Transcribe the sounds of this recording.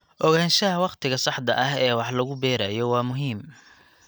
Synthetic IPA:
ʔɔɣaːnʃɐɦɐwɑqt̪ʰɪɣɐsɑħd̪ɐʔɐɦɛːwɑħlɐɣʊbɛːɾɐjɔwɑːmʊɦiːm

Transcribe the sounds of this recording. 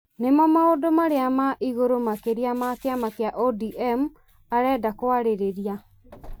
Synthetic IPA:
nemɔmaodomaɾeamaʔiɣoɾomakeɾiamakeamakeaʔɔdiʔɛmu | aɾɛːdakwaɾeɾeɾia

